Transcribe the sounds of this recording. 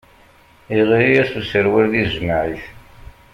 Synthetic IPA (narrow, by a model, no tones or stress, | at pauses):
iʁiɾijæθusəɾwiɾðiʒmaʕiθ